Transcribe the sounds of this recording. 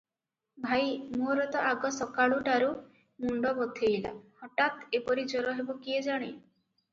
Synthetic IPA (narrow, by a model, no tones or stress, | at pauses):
bʱajmoɾɔt̪ɔʔaɡɔsɔkaɭuʈaɾu | muɳɖɔbɔt̪ʰejla̰hɔʈat̪epɔɾid͡ʒɔɾɔɦebɔkied͡ʒaɽ̃e